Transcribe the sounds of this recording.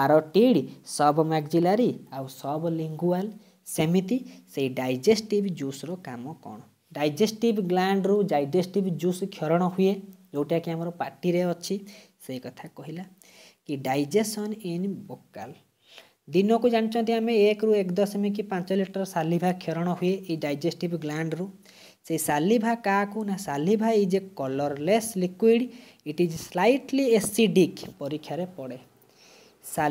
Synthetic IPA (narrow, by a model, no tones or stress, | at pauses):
aɾɔʈiɽisɔbɔmaɡd͡ʒilaɾiawsɔbɔliŋɡual | semit̪iseɦiɖajd͡ʒesʈibd͡ʒusɾɔkamɔkɔ̰ɽ̃ɔ | ɖajd͡ʒesʈibɡlaɳɖɾud͡ʒajd͡ʒesʈibd͡ʒuskʰjɔɾɔɽ̃ɔɦujed͡ʒowʈiakiamɔɾɔpaʈiɾeɔt͡ʃʰiseikɔt̪ʰakɔɦila | kiɖajd͡ʒesɔnenbokal | d̪inɔkud͡ʒãit͡ʃʰɔ̃nt̪̬iameekɾuekd̪ɔsɔmik̬ipãnt͡ʃɔliʈɔɾɔsalibʱakʰeɾɔɽ̃ɔɦujeʔːiɖajd͡ʒesʈibɡlaɳɖɾu | seisalibʱakaːkunasalibʱaid͡ʒekɔlɔɾleslikwiɖ | iʈid͡ʒslajʈliesiɖikpɔɾikʰːjaɾepɔɽe | sa